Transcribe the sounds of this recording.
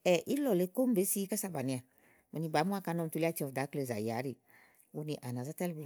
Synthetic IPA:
ɛ˨ʔi˦lɔ˨le˨˦ko˦m˦be˨˦si˦ka˦sa˦ba˨nĩ˨a˨ | me˨nĩ˨˧ba˨˦mu˦a˦ka˧nɔ˦m˨tu˧li˦a˦t͡ʃi˦ɔ˨da˨˦kle˨za̰˨ji˨a̰˨˦ɾi˨ | wo˦nĩ˧˨ʔa˨nã˨za˦ta˦lbe˦˨

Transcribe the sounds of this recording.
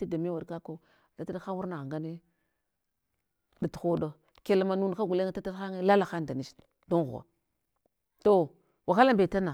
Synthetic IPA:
ti˦da˨me˦wa˨dka˦ko˦˨ | ta˦ta˦dxa˦wu˦ɾna˨ɣŋɡa˦ni˦ | da˨txo˦do˦ | ke˨la˨ma˨nu˦n˨a˦ɡu˨le˦ŋ˦ta˦ta˦xa˦ŋe˦la˦la˨xa˦n˨da˨ni˨s | do˦ŋ˦ɣ̰a̰˨ | to˨ | wa˨xa˦la˦mbe˨ta˦na˨

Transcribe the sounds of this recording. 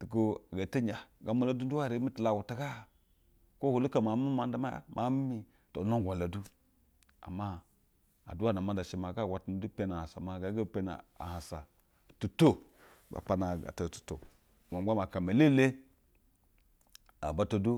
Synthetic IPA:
tu˨ku˦a˨ɡa˨te˦ɲa˨ɡa˨mo˦˨la˦du˦du˦wa˦˨ɾe˨˦i˦tu˨la˨ɡu˨ta˦ɡa˦˨ | ko˦ho˨lu˦ka˨ma˨˦mi˦ma˨nda˦ma˦ja̰˦mʔa˨˦mi˦mi˨ | to̰˨no˦ŋ˨ɡʷa˨la˨du˦ | a̰˨mːa˦ | a̰˨du˦wa˦˨na˨ma˦da˨ʃe˨ma˨ɡa˦˨ɡʷa˨tn˨du˦pe˦na˨ha˨sa̰˨ma˨ɡa˨˦ɡa˦˨pe˦na̰˨a̰˨ha˨sa˨ | tu˨to˦ | ba̰˨pa˨na˨ɡa̰˨ta˨tu̥˨to̰˨ | ma˨˦a˦ma˨ka˨me˨le˦le˦ | a̰˨ba˦to˨du˦

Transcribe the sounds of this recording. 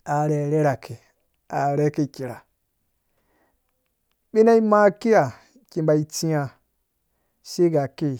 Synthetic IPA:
a˨ɾe˨ɾe˦ɾa˨ke˨ | a˨ɾe˦ke˧˨kʲe˨ɾa˨ | ɓe˦na˦i˦ma˦ke˦ja˨ | ki˧m˦ba˧i˧ti˦a˧ | se˦ɡa˨ke˦˨

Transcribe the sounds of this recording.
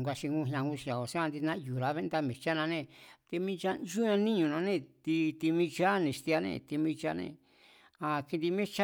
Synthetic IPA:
ɡʷa˧ʃi˧ŋũ˦˧˨ɦã˧ɡu˦ʃa˨o˨sã˧nd̪i˧nã˦˧ju˨ɾa˨˦βe˦nd̪a˦mĩ˨t͡ʃa˦nã˧nẽ˧˨t̪i˧mĩ˦˧˦t͡ʃa˦nd͡ʒu˦ã˧nĩ˦ɲũ˨nã˧nẽ˦˧˨t̪i˧t̪i˧mĩ˧t͡ʃa˦nẽ˨ʃt̪i˧a˧nḛ̃˧˨t̪i˧mĩ˧t͡ʃa˦nḛ̃˧ | a˧ki˧nd̪i˧mẽ˦t͡ʃa˦

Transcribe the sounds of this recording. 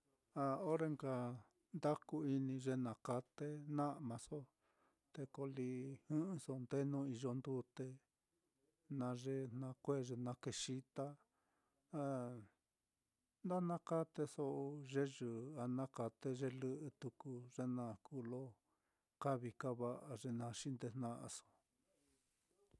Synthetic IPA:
a˧o˦ɾe˧ŋɡa˧ | nd̪a˦ku˧i˧nĩ˧ʐe˧nã˧ka˧t̪e˦nã˦ʔmã˧so˦ | t̪e˧ko˧li˧hɨ̃˦ɨ̃˧so˧nd̪e˦nũ˦i˧ʒo˧nd̪u˦t̪e˧ | nã˧ʐe˦nnã˧kʷe˦˨ʐe˧nã˧ke˧ʂi˧t̪a˦ | a˧ | nd̪a˦nã˦ka˦t̪e˧so˧ʔo˧ʐe˦ʒɨ˨a˧nã˦ka˧t̪e˦ʐe˦lɨ˦ʔɨ˧t̪u˧ku˧ʐe˦nã˧kuː˧˨lo˦ | ka˦βi˧ka˦βa˧ʔa˧ʐe˧nã˧ʂi˦nd̪e˧n̥nã˦ʔa̰˧so̥˧˨

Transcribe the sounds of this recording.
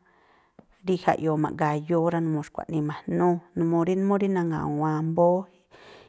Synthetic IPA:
ɾi˦ha̰˧˨ʔjo˨mã̰˨ʔŋɡa˨jo˧˦ɾa˧nũ˧mõ˧˨ʃkʷa̰˨ʔnĩ˧mã˨nũ˦nũ˧mõ˧ɾi˦nũ˦mõ˦ɾi˦nã˧ŋɡa̰˨wã˧mbo˦i˦

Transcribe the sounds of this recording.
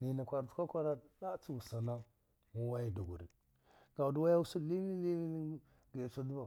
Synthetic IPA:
ni˨na˨kʷa˨ɾtkʷa˦kʷa˦ɾa˦ɗa˦t͡su˦wu˨sa˨na˦ | wu˦wa˦ji˦du˨ɡṵ˨ɾḭ˨ | ɡ̥a˨u˨du˦wa˦ja˦wu˦su˦˨li˦mi˦li˦mi˦ | ɡe˨sa˦du˦ba˨

